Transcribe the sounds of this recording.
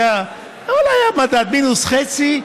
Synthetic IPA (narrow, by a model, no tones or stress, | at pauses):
a | olajamad̪ad̪minusχet͡si